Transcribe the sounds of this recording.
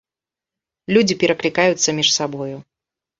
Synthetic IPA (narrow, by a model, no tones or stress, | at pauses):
lʲud͡zʲipʲɛɾɐklʲikajut̪sːɐmʲiʂsabɔju